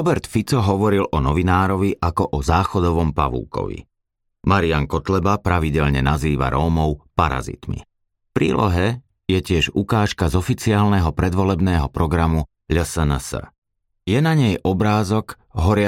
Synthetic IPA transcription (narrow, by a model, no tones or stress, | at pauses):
ɔbɛɾt̪fit͡sɔɦɔʋɔɾilʔɔnɔʋinaːɾɔʋiʔakɔʔɔzaːxɔd̪ɔʋɔmpa̰ʋṵːkɔ̰ʋḭ | maɾiaŋkɔt̪lɛbapɾaʋiɟɛʎɲɛnaziːʋa̰ɾɔːmɔʊpaɾa̰zḭt̪mḭ | fpɾḭːlɔ̰ɦɛ | jɛcɪɛʒukaːʃkazɔfit͡siaːlnɛɦɔpɾɛd̪ʋɔlɛbnɛːɦɔpɾɔɡɾamu | ʎəsənəsə̰ | jɛnaɲɛjʔɔbɾaːzɔɡ | ɦɔɾɪa